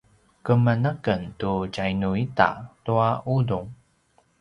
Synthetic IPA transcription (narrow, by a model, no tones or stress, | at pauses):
kəmənəkəntuɟajnuita̰tuaʔuduŋ